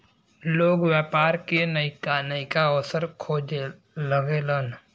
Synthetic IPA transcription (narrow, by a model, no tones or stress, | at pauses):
loːɡwjaːpaːɾkenəikanəikaɔːsəɾkʰoːd͡ʒ | ləɡelən